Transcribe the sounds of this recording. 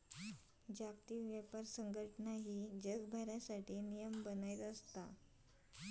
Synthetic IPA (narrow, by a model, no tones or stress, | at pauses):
d͡ʑakt̪iːʋjəpaɾsəŋɡəʈnaɦiːd͡ʑəɡbʱəɾjasaʈʰiːnijəmbənajt̪əst̪a